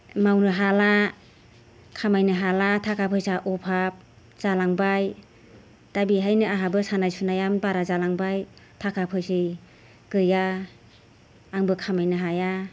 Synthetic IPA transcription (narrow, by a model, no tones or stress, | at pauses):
mawnɯɦala | kʰamajnɯɦalatʰakʰapʰɯjsaʔɔpʰap̚ | z̥alaŋbaj | d̥abiɦajnɯaɦabɯsanajsunajambaɾazalaŋbajtʰakʰapʰɯjsɯj | ɡɯja | ŋbɯkʰamajnɯɦaja